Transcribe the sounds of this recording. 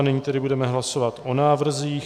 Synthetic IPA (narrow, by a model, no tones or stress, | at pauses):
nɪɲiːt̪ɛdɪbudɛmɛɦlaso̞vat̪ʔo̞naːvr̩ziːx